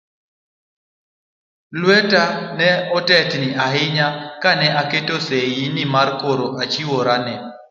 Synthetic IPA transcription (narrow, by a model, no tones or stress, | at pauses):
lwɛtanɛɔtɛtnɪʔaɦɪɲakanɛʔaketosejinɪmarkoɾoʔat͡ʃɪwoɾanɛ